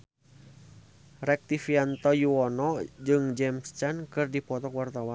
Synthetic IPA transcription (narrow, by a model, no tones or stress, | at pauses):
rɛk̚t̪ifiant̪ɔjuɔnɔd͡ʒɨŋd͡ʒɛmst͡ʃankɨrdipɔt̪ɔkwart̪awan